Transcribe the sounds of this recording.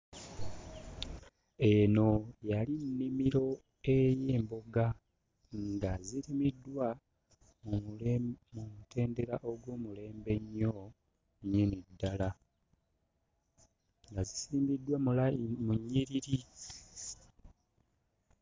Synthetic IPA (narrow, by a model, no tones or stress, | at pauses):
e̞no̞jalinːimiɾo̞ | e̞jeːmbo̞ɡa | ŋɡaziɾimidːwa | mumutʰe̞ːnde̞ɾaʔo̞ɡwoːmule̞ːmbe̞ɲːo̞ | ɲenidːala | ŋɡazisiːmbidːwammuɲːiɾiɾi